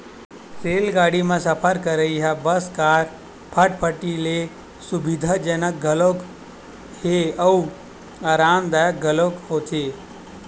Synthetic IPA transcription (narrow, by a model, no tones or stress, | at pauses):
seːlɡaːɽimẽsəpʰəɾkəɾəiɦabəskaːɾ | pʰəʈpʰəʈile | sʊbid̪ʱad͡ʒənək̚ɡʱəlok | heəu | aːɾaːmd̪ajək̚ɡʱəlokhoːt̪ʰe